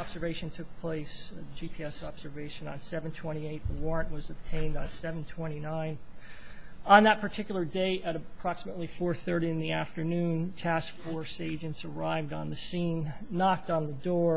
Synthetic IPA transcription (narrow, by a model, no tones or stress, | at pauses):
ɑb̥z̥ə˞veɪʃɨ̃n̩tʰʊk̚pʰl̥eɪsɨd͡ʒipʰiɛsɑb̥z̥ə˞veɪʃɨ̃nə̰̃nsɛṽn̩tʰw̥ɛ̃ɾ̃ieɪt̪̚ðəwɔɹɨ̃nʔwʌzəb̥̚tʰẽɪ̃ndn̩sɛṽn̩tʰw̥ɛ̃ɾ̃inãɪ̃n | ə̃nðət̚pʰə˞tʰɪkjl̩ˠə˞deɪɾɨɾɨpʰɹ̥ɑksəmətˡlifɔɹθɜ˞ɾiɨ̃nðiæftə˞nʉ̃ntʰæskfɔɹseɪd͡ʒɨ̃ntsə˞aɪvdn̩ðɨsĩnːɑk̚tn̩ðɨdɔɹ